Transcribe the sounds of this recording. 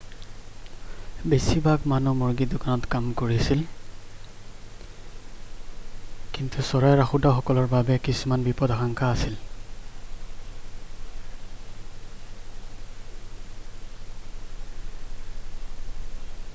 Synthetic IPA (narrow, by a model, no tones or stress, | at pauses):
besibakmanumɔɹɡidokanɔtkamkoɹisil | kintusɔɹajɹaxudaxɔkɔlɔɹbabɛkisumanbipɔdaxaŋkʰaːsil